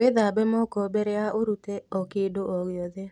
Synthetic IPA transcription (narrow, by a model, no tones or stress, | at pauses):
eðabɛmɔkɔbɛɾɛaoɾutɛɔkedoʔɔɣjɔðɛ